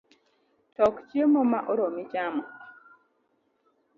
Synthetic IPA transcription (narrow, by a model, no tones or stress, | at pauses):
tɔkt͡ʃjemɔmaʔɔɾomit͡ʃamɔ